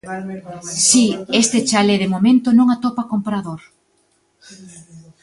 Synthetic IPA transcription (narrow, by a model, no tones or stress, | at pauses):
siest̪et͡ʃaleðemomẽnt̪onõŋat̪opakompɾaðoɾ